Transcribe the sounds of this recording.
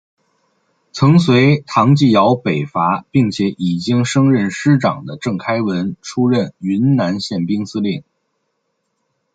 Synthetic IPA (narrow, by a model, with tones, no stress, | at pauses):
t͡sʰɤ˧˥ŋswe˧˥ɪt̪ʰɑ˧˥ŋt͡ɕi˥˩jɑ˧˥ʊpe˨˩ɪfa˧˥pi˥˩ŋt͡ɕʰjɛ˧˥ʔi˨˩t͡ɕi˥ŋʂɤ˥ŋɻə˥˩nʂɻ̩˥ʈ͡ʂɑ̰˨˩ŋd̪ə˦ʈ͡ʂɤ˥˩ŋkʰa˥ɪwə˧˥nʈ͡ʂʰu˥ɻə˥˩ny˧˥nna˧˥nɕjɛ˥˩npi˥ŋsɹ̩˥ljɛ˥˩n